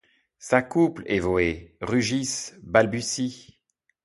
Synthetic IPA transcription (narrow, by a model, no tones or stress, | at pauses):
sakuplɛ̰vɔeʁyʒisbalbysi